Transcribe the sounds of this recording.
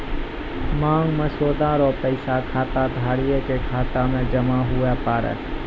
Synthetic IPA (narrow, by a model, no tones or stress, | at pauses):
mãːŋɡməsoːd̪aːɾopəɪsakʰaːt̪ad̪ʱaːɽijekekʰaːt̪amẽd͡ʒɐmaɦʊepaːɾɛ̰